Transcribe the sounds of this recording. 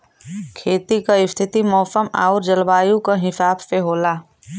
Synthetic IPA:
kʰeːt̪ikaɪst̪ʰɪt̪imɔːsəma̰ːʊɾd͡ʒəlbaːjũkaɦɪsaːbseɦoːlaː

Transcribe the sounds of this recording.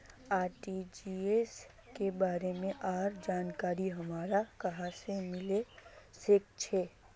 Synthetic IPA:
aːɾʈid͡ʒiːes | kebaːɾemẽʔaːɾd͡ʒaːnkaːɾiɦəmaːɾakəɦãsemɪlesɪk̚t͡ʃʰeː

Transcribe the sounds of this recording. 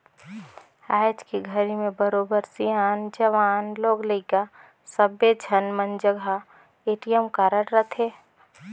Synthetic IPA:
aːd͡ʒkiɡʱəɾimẽbəɾoːbəɾsijaːnd͡ʒəʋaːnloːɡləka | səbed͡ʒʱənmənd͡ʒəɡʱa | eːʈijəmkaːɾəɽɾət̪ʰɦe

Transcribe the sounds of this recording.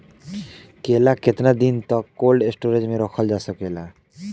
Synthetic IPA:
kelaket̪nad̪int̪ɔkːolɖesʈuɾed͡ʑmeɾɔkʰɔld͡ʑasokela

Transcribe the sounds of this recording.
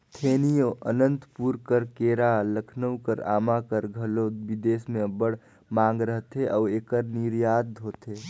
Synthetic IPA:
t̪ʰeːnijoʔənə̃nt̪puːɾkəɾkeːɾaləkʰnəwkəɾa̰ːmakəɾɡʱəlobid̪eːsmẽbəɽ | mãːŋɡɾəɦt̪eʔɔːeːkəɾniɾjaːd̪ɦoːt̪eː

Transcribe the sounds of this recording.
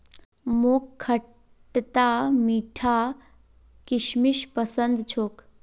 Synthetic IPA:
moːkʰːə | ʈt̪amiːʈʰa | kiʃmiʃpəsənd̪t͡ʃʰoːk

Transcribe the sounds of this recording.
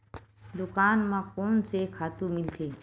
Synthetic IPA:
d̪ʊkaːnmãkoːnsekʰaːt̪ũmɪlt̪ʰeː

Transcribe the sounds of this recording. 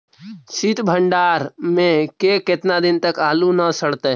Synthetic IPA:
sit̪bʱəɳɖaːɾmẽkekɪt̪nad̪ɪnt̪əkaːlunəsəɽt̪e

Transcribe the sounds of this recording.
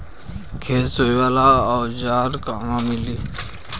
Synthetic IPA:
kʰeːsoiwaːlaɔːɾd͡ʒaːɾkaːmãmɪliː

